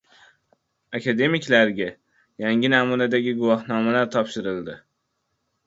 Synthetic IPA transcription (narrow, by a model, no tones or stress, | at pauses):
akʲʰad̪e̞mikʲlaɾɡʲa | jaŋʲɪnamunad̪aɡʲɪɡʊvɒɦnɒmalaɾt̪ʰɒpʃɪɾɪlˠd̪ɪ